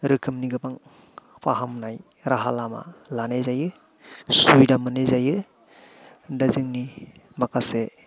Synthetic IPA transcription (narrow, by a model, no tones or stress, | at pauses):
ɾɯkʰɯmniɡɯpaŋ | pʰaɦamnaj | ɾaɦalama̰lanezajɯ | sujdamɯnezajɯ | dazɯŋni | makʰase